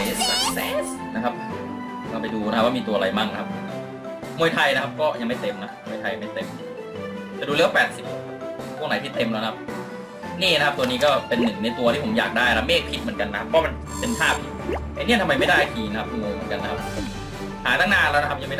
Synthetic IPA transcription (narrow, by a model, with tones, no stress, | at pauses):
jsi˨˩p̚sa̰ː˨˩˦sɛː˨˩˦ | na˦˥kʰa˦˥p̚ | kɔː˥˩pa˧jduː˧na˥ka˦˥waː˥˩miː˧t̪u˧ɐa˧ɾa˧jma˥˩ŋna˦˥kʰa˧p̚ʰː | mu˧jt̪ʰa˧jna˦˥kʰa˦˥p̚kɔː˥˩ja˧ŋma˥˩t̪e˧mna˦˥mu˧jt̪ʰa˧jma˥˩jt̪e˧m | t̪ɛː˩duː˧lːwa˥˧pɛː˨˩t̪̚si˨˩p̚ | pʰu˥˩na˨˦t̪ʰiː˥˩t̪e˧mlɛː˦˥wna˦kʰa˥p̚ | niː˥˩na˥kʰa˦˥t̪u˧niː˦˥kɔː˥˩pe˧nːɯ˨˩ŋna˧jt̪u˧ɐt̪ʰiː˥˩pʰo˩˦mjaː˨˩k̚daː˥˩jaa˥meː˥˩k̚pʰi˦˥t̪̚mɯ˩˦ənka˧nːa˦kʰa˥pʰːɔ˧˦a˥ma˧n | pe˧np̪ʰaː˥˩p̚ʰi˧˩a˧niː˥˨nt̪ʰa˧mːa˧jma˥˩jda˥˩jkiː˨˩na˥kʰa˦˥p̚ːmuː˧jmɯ˩˦ənka˧nː˦˥kʰa˦˥p̚ | haː˩˦t̪a˥ŋnaː˥˩nlɛː˦˥na˦kʰa˥p̚ja˧ŋma˥˩ja˥˩